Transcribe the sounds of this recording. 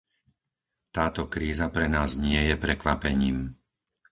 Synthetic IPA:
t̪aːt̪ɔkɾiːzapɾɛnaːzɲɪɛjɛpɾɛkʋapɛɲiːm

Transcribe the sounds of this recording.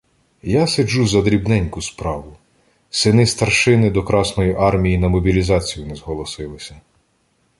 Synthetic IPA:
jased͡ʒuzɐd̪ɾʲibnɛnʲkʊspɾɑʋʊ | sɪnɪst̪ɐrʃɪnɪd̪ɔkɾɑsnɔjiʔɑrmʲijinɐmɔbʲilʲizɑt͡sʲijʊnɛzɦɔlˠɔsɪlˠɪsʲɐ

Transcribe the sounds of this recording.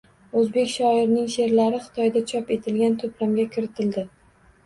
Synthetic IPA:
ɵzbe̞kʲʃɒɪɾnɪŋʃe̞ɾlaɾɪχɨ̥t̪ʰɒjd̪at͡ʃʰɒpe̞t̪ʰɪlɡʲant̪ʰɵpɾamɡʲakʲʰɪɾɪt̪ʰɪld̪ɪ

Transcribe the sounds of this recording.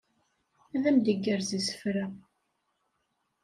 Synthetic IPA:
æðæmd̪əɡːəɾzisə̥fɾæ

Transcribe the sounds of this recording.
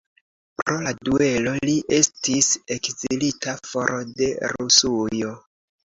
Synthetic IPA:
pɾo̞ladue̞lo̞liʔe̞stise̞kzilitafo̞ɾʔode̞ɾusujo̞

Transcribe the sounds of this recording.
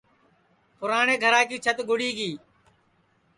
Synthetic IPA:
pʊɾaːɳeːɡʱəɾaːkiːt͡ʃʰət̪ɡʊɽiːɡiː

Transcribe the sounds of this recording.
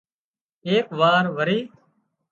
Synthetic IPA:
eːkʋaːɾʋəɾiː

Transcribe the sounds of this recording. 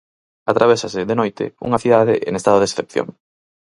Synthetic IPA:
at̪ɾaβ̞esasɪðenojt̪ɪ̰ṵŋaθiðaðḛʔḛŋest̪að̞oðesθepθjo̰ŋ

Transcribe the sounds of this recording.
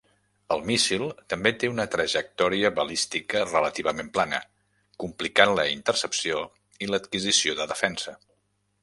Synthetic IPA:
əlˠmisilˠt̪əmbet̪eunət̪ɾəʒək̚t̪ɔɾiəβəlist̪ikərələt̪iβəmemplanə̰ | kumplikanləint̪ərsəpsio | ilət̪kizisioðəðəfɛnsə

